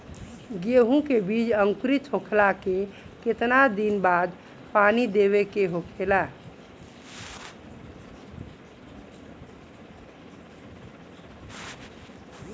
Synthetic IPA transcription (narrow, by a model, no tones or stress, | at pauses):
ɡeɦũkebiːd͡ʒəŋkɾit͡ʃʰokʰlakeket̪nad̪inbaːd̪ | panid̪eβekeɦokʰela